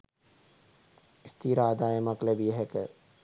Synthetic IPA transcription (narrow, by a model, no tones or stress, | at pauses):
ist̪ʰiːɾaːd̪aːjəmaklæbijəɦɛkə